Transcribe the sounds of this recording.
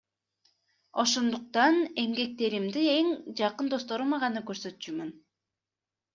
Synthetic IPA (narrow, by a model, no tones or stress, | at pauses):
o̞ʃo̞nd̪uq̚t̪ɑne̞mɡe̞k̚t̪e̞ɾimd̪ie̞ŋd͡ʒɑqɯnd̪o̞st̪o̞ɾumɑʁɑnɯkøɾsø̞t̪t͡ʃymyn